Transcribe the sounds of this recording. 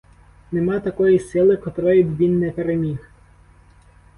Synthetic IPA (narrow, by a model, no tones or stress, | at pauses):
nemɑt̪ɐkɔjisɪlˠɪkɔt̪ɾɔjʊbʲʋʲinːɛpeɾemʲix